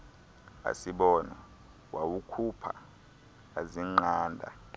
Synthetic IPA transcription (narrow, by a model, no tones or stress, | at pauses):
a̰siɓɔːna | wawukʰupʰa̰ː | ziŋ͡ǃaːndʱa̰